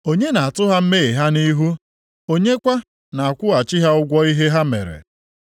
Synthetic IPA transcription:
o˦ɲe˦na˨a˨tʊ˦ɦa˦m̩˦me˦i˨ɦa˦ni˦ɦu˦ | o˦ɲe˦kʷa˦ | na˨a˨kʷʊ˦a˨t͡ʃi˦ɦa˦ʊ˦ɡʷɔ˦i˦ɦe˦ɦa˦mḛ˨ɾḛ˨

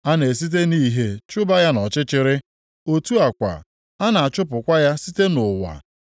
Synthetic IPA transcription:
a˦ne˨s̬i˦t̬e˦niː˦ɦe˦t͡ʃʊ˦ba˦ja˦nɔ˨t͡ʃɪ˦t͡ʃɪ˦ɾɪ˦ | o˦tu˦a˨kʷa̰˨ | a˦na˨a˨t͡ʃʊ˦pʊ˨kʷa˦ja˦si˦te˦nʊ˨wa̰˨

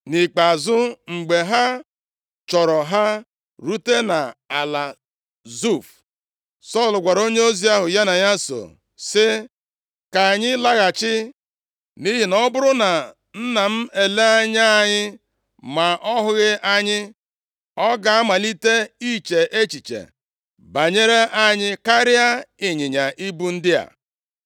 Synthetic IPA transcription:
ni˨k͡pa˨zʊ˦ŋ͡m̩˨ɡ͡be˨ɦa˦ | t͡ʃɔ˨ɾɔ˨ɦa˦ | ɾu˦te˦na˨a˨la˨ | zu˦˨f | sɔ˦˨lʊ˨ɡʷa˨ɾo˦ɲe˦o˦zi˦a˦ɦʊ˨ja˦na˨ɲa˦so̰˨ | sɪ˦ | ka˨a˨ɲɪ˦la˦ɣa˨t͡ʃɪ˦ | ni˦ɦi˨nɔ˦bʊ˦ɾʊ˦na˨ | n̩˦na˨m̩˦e˨le˦a˦ɲa˦a˦˨ɲɪ˦ | ma˨ʔɔ˦ɦʊ˨˦ɣɪ˦ʔa˦ɲɪ˦ | ɔ˦ɡa˨a˦ma˨li˦te˦i˦˨t͡ʃe˨ʔe˦t͡ʃi˨t͡ʃḛ˨ | ba˨ɲe˦ɾe˦ʔa˦ɲɪ˦ka˦ɾɪ˦a˦ɪ˨ɲɪ˨ɲa˨ʔi˦bu˦n̩˦dɪ˦ja̰˨

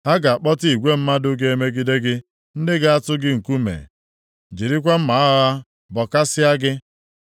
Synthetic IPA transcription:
ha˦ɡa˨a˨k͡pɔ˦ti˦i˨ɡʷe˦m̩˦ma˦dʊ˦ɡ̬e˦e˦me˦ɡi˦de˦ɡɪ˦ | n̩˦dɪ˦ɡa˦a˦tʊ˦ɡɪ˦ŋ̩˨ku˦mḛ˨ | d͡ʒi˨ɾi˦kʷa˦m̩˦ma˨a˦ɣa˦ | bɔ˨ka˦sɪ˦a˦ɡɪ˦

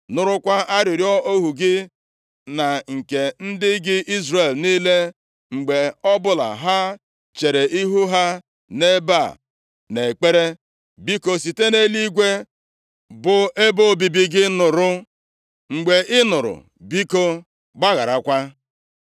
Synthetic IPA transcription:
nʊ˨ɾʊ˦kʷa˦a˦ɾɪ˨ɾjɔ˦o˦ɦu˨ɡɪ˦ | na˨ŋ̩˨ke˨n̩˦dɪ˦ɡɪ˦ʔi˦zre˨lniː˦le˦ | ŋ͡m̩˨ɡ͡be˨ɔ˦bʊ˦la̰˨ɦa˦ | t͡ʃe˨ɾe˨ʔi˦ɦu˦ɦa˦ | ne˦ba˦˨ | ne˨k͡pe˦ɾe˦ | bi˦ko˨si˨te˦ne˦li˦ɡʷe˦ | bʊ˨e˦bo˦˨bi˨bi˦ɡɪ˦nʊ˨ɾʊ˦ | ŋ͡m̩˨ɡ͡be˨ʔɪ˦nʊ˨ɾʊ̰˨ | bi˦ko˦ | ɡ͡ba˦ɣa˨ɾa˨kʷa˦

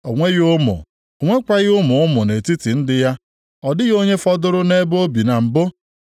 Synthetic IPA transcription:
o˨ŋʷe˦ɣʊ˦mʊ̰˨ | o˨ŋʷe˦kʷa˦ɣʊ˦mʊ˨ʊ˦mʊ˨ne˨ti˦ti˨n̩˦dɪ˦ja˦ | ɔ˨dɪ˦ɣo˦ɲe˦fɔ˦dʊ˦ɾʊ˦ne˦bo˦bi˨na˨m̩˨bʊ˦

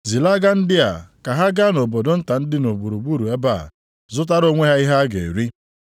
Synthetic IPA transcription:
zi˨la˦ɡa˦n̩˦dɪ˦a̰˨ka˨ɦa˦ɡa˦no˨bo˨do˦n̩˦ta˨n̩˦dɪ˦no˨bu˨ɾu˨ɡ͡bu˦ɾu˨e˦ba̰˦˨ | zʊ˦t̬a˦ɾo˦ŋʷe˦ɦa˦i˦ɦa˦ɡḛ˨ɾi˦

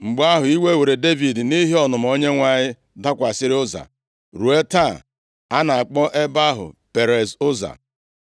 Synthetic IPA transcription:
ŋ͡m̩˨ɡ͡ba˦ɦʊ˨i˦we˦we˨ɾe˨de˦vi˨dni˦ɦi˦ɔ˨nʊ˨m̩˨o˦ɲe˦ŋʷa˨ɲɪ˦ | da˦kʷa˨sɪ˦ɾɪ˦ʊ˦za̰˨ | ɾu˨e˦ta˦˨ | a˦na˨a˨k͡pɔ˦ʔe˦ba˦ɦʊ̰˨pe˨ɾe˨zʊ˦za̰˨

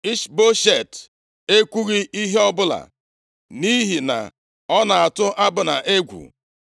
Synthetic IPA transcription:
i˦ʃbo˦ʃe˨t | e˦kʷu˦ɾi˦ʔi˦ɦe˦ɔ˦bʊ˦la̰˨ | ni˦ɦi˨na̰˨ | ɔ˦na˨a˨tʊ˦ʔa˦bʊ˨na̰˨ʔe˦ɡʷṵ˨

